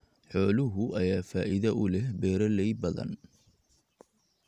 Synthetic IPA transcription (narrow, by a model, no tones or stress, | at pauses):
ħɔːlʊɦʊʔɐjaːfaːʔɪðɐʔʊlɛhbɛːɾɐlɛjbɐðɐ̰n